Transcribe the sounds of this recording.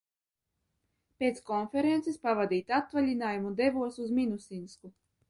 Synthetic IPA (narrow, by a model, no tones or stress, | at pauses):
pʲet̪skɔnfeɾent̪sespavad̪iːt̪ʲat̪valʲinaːjumud̪evuɔsuzminusinsku